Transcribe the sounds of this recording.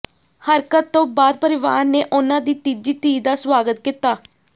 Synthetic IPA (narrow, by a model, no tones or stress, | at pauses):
həɾkətt̪ːõːbaːd̪̚pəɾɪʋa̰ːɾneːʔʊnãːd̪iːt̪id͡ʒiːt̪iːd̪aːswaːɡət̪kit̪aː